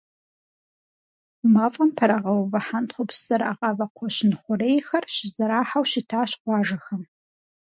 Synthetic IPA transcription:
maːfʼɐmpʰɐɾɐʁɐwvɐħantχʷʊpsɐɾaːʁɑːvɐqʷʰɔɕɪnχʷʊrejxɐrɕɪzɐɾaːħawɕitʰaːɕqʷɑːʒɐxɐm

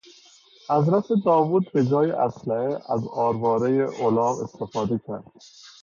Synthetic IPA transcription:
ʔæzɾæsed̪ɒːvuːd̪̚be̞d͡ʒɒːjḛʔæ̰slæheʔæzɒːɾbɒːɾejeʔolɒːvḛst̪e̞fɒːd̪ecʰæɾd̪̥

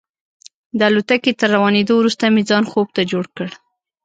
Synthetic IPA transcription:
d̪əalot̪aket̪əɾːawɑned̪owɾust̪amed͡zɑnxob̚t̪ad͡ʒoɽkəɽ

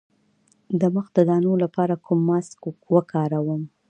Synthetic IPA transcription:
d̪əməxd̪əd̪ɑnolapɑɾakʰumːɑskwəkʰɑɾawəm

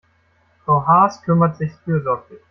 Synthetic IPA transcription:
foːɦaːskʰʏmɐtz̥ɪçfyːɐzɔɐklɪç

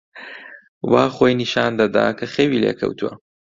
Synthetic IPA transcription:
waːχoːjniʃaːnd̪ɐd̪a̰ːkʰɐxeːwiːleːkʰɐ̰wt̪ʰuwɐ̰

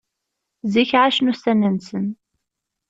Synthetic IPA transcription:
ziçʕaʃnust̪ænænsən

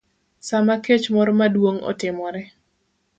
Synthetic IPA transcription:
samaket͡ʃmɔɾɔmadwoŋɔ̰tɪmɔɾɛ

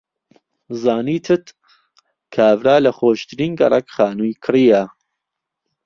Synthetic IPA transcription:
zaːniːt̪ʰɨt̪ | kʰaːvɾaːlɐχoːʃt̪ʰɾiːnɡɐ̰ɾˤɐkχaːnujkʰɨriːja

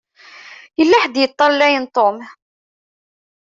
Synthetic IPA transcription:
jəlːaħd̪jət̪ˤːɑɾlːæjənt̪ˤom

